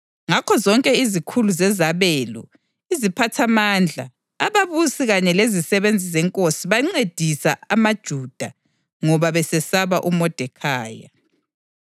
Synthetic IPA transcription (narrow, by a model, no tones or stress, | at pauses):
ŋakʰɔzɔŋkʼɛizikʰuluzɛzaβɛlɔ̰ | izipʰatʰamand͡ɮʱaː | βaβusiɣaɲɛlezisɛβend͡zʱizɛŋkʼosiβaŋ͡ǀed̥ʱisaamad̥ʒ̥ʱud̥ʱa | ŋɔβaβɛsɛsaβaʔumɔd̥ʱɛkʰaːja̰